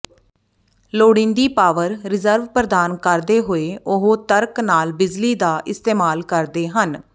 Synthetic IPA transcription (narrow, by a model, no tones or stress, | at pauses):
loːɽɪ̃ːnd̪iːpaːʋəɾɾɪzəɾʋpɾəd̪aːnkəɾd̪eːɦoːeːʔʊɦoːt̪əɾknaːlbɪd͡ʒliːd̪aːʔɪst̪eːmaːlkəɾd̪eːɦən